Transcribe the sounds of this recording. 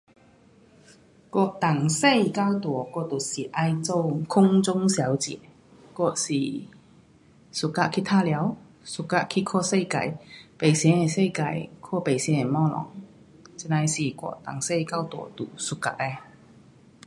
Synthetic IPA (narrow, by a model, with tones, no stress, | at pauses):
kwɔ˧˩t̪a˨˩ŋse˥˧˨jka˧wt̪wɔ˨˩kɔ˥˧˨t̪u˨˩si˨˩ʔa˧jt͡so˥˧wkʰʊ˥ŋt͡sʊ˥ŋsja˨˦wt͡ɕjɛ̰˨˩˦ | kwɔ˧si˨˩ | su˨˩kːa˧ʔkʰi˧˥t̪ʰa˥˧lja˨˧˦w | su˨kːa˧ʔkʰi˧kʰɔ˥˧se˥˧jka̰˨˩jpe˨˩jsjɛ˧˦ne˨se˥˧jka˨˩jkʰɔ˥˧pe˨˩jsjɛ̃˧˦ne˨˩mɔ˥˧lɔ̰˨˦ŋ | t͡si˧˥na˧jsi˨˩kwɔ̰˧˨t̪a̰˨˩ŋse˥˧jka˥wt̪wɔ̰˨˩t̪u˨˩su˨˧kːa̰˧ʔ̚e˧